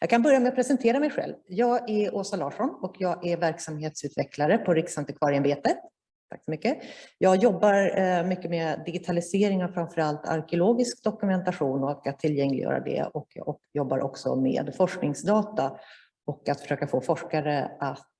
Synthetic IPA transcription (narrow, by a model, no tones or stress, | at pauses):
jɑːɡkʰanbœɾjamɛat̪̚pʰɾɛsɛnt̪ʰeːɾamɛjɧɛ̰lvjɑːɡæɾoːsalɑːʂɔnɔkjɑːɡʔævæɾksamheːt̪sʉ̟ːt̪vɛklaɾəpʰɔɾɪksant̪əkʰvɑːɾɪanbeːt̪ə | t̪ʰːakːsɔmʏkːəjɑːɡjɔbːaɾmʏkːəmed̪ɪɡɪt̪ʰalɪseːɾɪŋafɾaɱfœɾalt̪ʰa̰ɾkɛʊloːɡɪskd̪ɔkɵmɛnt̪aɧuːnɔkat̪ʰːɪljɛŋlɪ̰jœ̰ːɾa̰d̪ɛ̰ɔkj̰ɔkjɔbːa̰ɾʔɔ̰ksɔ̰mḛːd̪fɔʂknɪŋsd̪ɑːt̪a | ɔkːat̪fœ̥ʂøːkafoːfɔʂkaɾəʔat̪